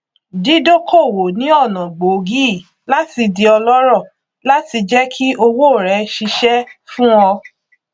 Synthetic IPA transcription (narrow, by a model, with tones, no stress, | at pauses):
di˨˦do˦kʰo˦˨wo˨nĩ˨˦ɔ˦˨nã˨ɡ͡bo˨ɡi˦˨ | la˦ti˧di˧ɔ˧lɔ˦ɾɔ˦˨ | la˦ti˧d͡ʒɛ˦kʰi˦ʔo˧wo˦˨ɾɛ˨˦ʃi˧ʃɛ˦fũ˦ɔ˧